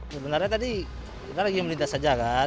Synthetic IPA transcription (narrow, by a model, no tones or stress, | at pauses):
səbənarɲat̪adi | ɾalaɡiaməlint̪asad͡ʒaka